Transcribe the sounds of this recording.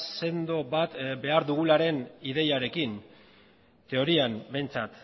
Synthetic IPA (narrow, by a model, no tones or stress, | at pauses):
se̞nd̪o̞βat̪be̞aɾðuɣ̞ulaɾe̞nið̞e̞jaɾe̞kin | t̪e̞o̞ɾiambe̞jnt͡sat̪